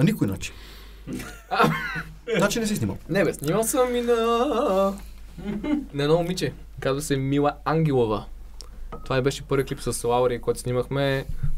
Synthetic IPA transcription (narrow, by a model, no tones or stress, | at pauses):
ɐnikʊjna̰t͡ʃi̥ | a | at͡ʃinɛsɛsnimɐ̰lˠnɛbɛsnimɐlˠsəminɐ | nɐɛd̪ɔumit͡ʃɛ | kazvɐsɛmilˠɐaŋɡʲɛlˠovɐ | t̪ovaibɛʃɛpɤɾviəklipsɐslˠaoɾikɔjt̪ʊsnimɐxmɛ